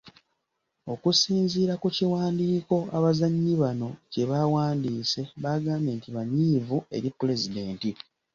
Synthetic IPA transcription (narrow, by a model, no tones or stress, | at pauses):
o̞kusiːnziːɾakuciwaːndiːko̞aβazaɲːiβano̞ce̞βawaːndiːse̞βaɡaːme̞ːntiβaɲiːvue̞̰ɾipuɾe̞zide̞ːnti